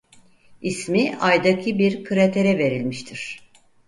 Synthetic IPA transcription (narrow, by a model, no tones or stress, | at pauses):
ismiajd̪acʰibiɾkʰɯɾat̪ʰeɾɛve̞ɾilʲmiʃt̪ʰiɾ̥